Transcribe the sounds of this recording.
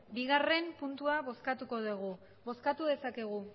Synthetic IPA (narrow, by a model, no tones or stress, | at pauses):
biɣare̞mpunt̪uaβo̞skat̪uko̞ðuɣ̞u | βo̞skat̪uðe̞sake̞ɣ̞u